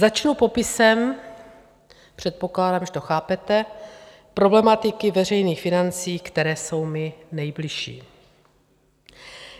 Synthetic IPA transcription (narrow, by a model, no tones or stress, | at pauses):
zat͡ʃnupo̞pɪsɛm | pr̝̥ɛt̪̚po̞klaːdaːmʒɛt̪o̞xaːpɛt̪ɛ | pɾo̞blɛmat̪ɪkɪvɛr̝ɛjniːxfɪnant͡siːkt̪ɛɾɛːso̞wmɪnɛjblɪʃḭː